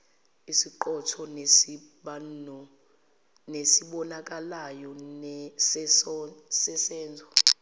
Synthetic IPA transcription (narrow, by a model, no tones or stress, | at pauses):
isiǃɔtʰɔnɓa | nesiɓɔnak̬ʼalajɔnɛ | sɛsɛːnd͡zʱɔ